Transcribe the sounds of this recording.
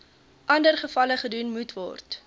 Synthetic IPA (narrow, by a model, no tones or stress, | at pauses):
ʔɐndərχəfɐləχədunmutvɔ̰rt